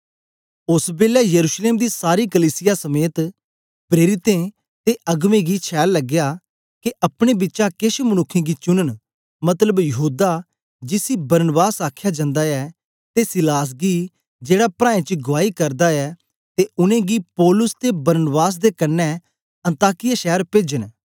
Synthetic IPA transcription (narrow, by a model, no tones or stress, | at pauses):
ʊsbeːljaːjəɾuːʃleːmd̪iːsaːɾiːkəliːsɪjasəmeːt̪ | pɾeːɾɪt̪ẽ | t̪eːʔɐɡmẽːɡiːt͡ʃʰɛːlləɡjaː | keʔɐpɽ̃ebɪːt͡ʃakɪʃmənʊkʰːẽːɡiːt͡ʃʊnəɳ̃ | mɐt̪ləbjəɦuːd̪aː | d͡ʒɪsiːbɐɾnəbaːsaːkʰjad͡ʒãːnd̪aːɛː | t̪esɪlaːs̬ɡiː | d͡ʒeːɽaːpɾãːẽt͡ʃɡʊʋaːikɐɾd̪aːɛː | t̪eʊnẽːɡiːpɔːlʊst̪ebɐɾnbaːs̬d̪ekɐnːɛ | ɐ̃nt̪aːkɪjaːʃɛːɾpeːd͡ʒən